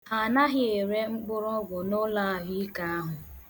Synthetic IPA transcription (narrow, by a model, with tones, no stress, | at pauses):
ha˨na˦ɦɪ˦e˨ɾe˦ŋ͡m̩˦k͡pʊ˦ɾɔ˦ɡʷʊ˨no˦la˦a˨ɦi˦ka˨a˦ɦʊ˨